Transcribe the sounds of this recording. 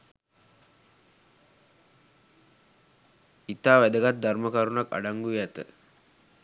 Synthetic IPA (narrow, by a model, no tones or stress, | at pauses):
it̪aːʋæd̪əɡat̪̚d̪ʱarməkaɾunaka̰ɖaŋɡujɛt̪ə